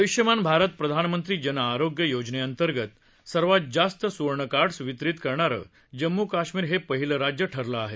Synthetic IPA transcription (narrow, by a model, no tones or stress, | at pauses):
əʋiɕjəmanbʱaɾət̪̚pɾəd̪ʱanmənt̪ɾiːd͡ʑənaːɾoɡjəjod͡ʑneənt̪əɾɡət̪ | səɾʋat̪̚d͡zast̪əsuɾɳəkaʈsʋit̪ɾit̪kəɾɳaɾə̰ | d͡ʑəmːukaɕmiːɾɦepəɦiləɾad͡ʑjəʈʰəɾləaɦe